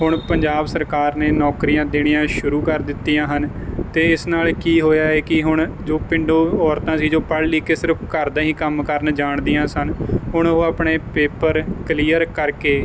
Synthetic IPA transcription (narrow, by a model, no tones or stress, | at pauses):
ɦʊɳpəɲd͡ʒaːbsəɾkaːɾneːnɔːkɾiːjãːd̪eːɽ̃ijãːʃʊɾuːkəɾd̪ɪt̪ːiːãːɦənt̪eːɪsnaːlkiːɦoːjaːeːkɪɦʊɳd͡ʒoːpɪ̃ɳɖoːɔːɾt̪ãːsiːd͡ʒoːpəɽliːkeːsɪɾəpʰkəɾd̪ãːɦĩːkəmkəɾnd͡ʒaːɳd̪iːãːsənɦʊɳoːaːpɳeːpeːpəɾkəliːjəɾkəɾkeː